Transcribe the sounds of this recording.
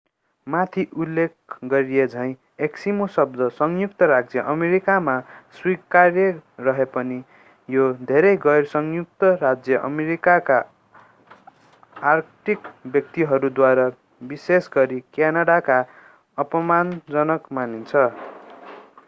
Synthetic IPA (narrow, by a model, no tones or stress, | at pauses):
mat̪ʰiʔulːek̚ɡʌɾied͡zʱʌj̃ | eksimosʌb̚d̪ʌsʌŋjukt̪ʌɾak̚d͡zjʌʔʌmeɾikamaswikarjʌrʌɦepʌni | jod̪ʱeɾʌjɡʌjrsʌŋjuk̚t̪ʌɾad͡zjʌʔʌ̰meɾikaka | rʈʰikbjʌk̚t̪iɦʌɾud̪waɾʌ | bisesɡʌɾikjanaɽaka | ʌpʌmand͡zʌnʌkmanint͡sʰʌ